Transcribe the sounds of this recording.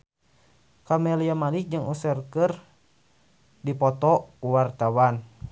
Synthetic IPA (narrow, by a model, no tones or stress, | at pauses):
kamɛliamalik̚d͡ʒɨŋusərkɨr | dipɔt̪ɔuwart̪awan